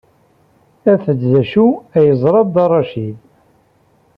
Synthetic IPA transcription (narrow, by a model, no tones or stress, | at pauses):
æθədðæʃuæjəzˤɾˤɑðd̪ɑrˤːɑʃil